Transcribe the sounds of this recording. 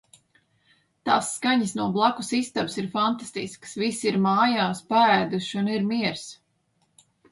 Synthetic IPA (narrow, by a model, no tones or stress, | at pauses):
t̪aːsːkaɲisnuɔblˠakusist̪absiɾfant̪ast̪isksvisiɾmaːjaːspaæːd̪uʃuniɾmiɛɾs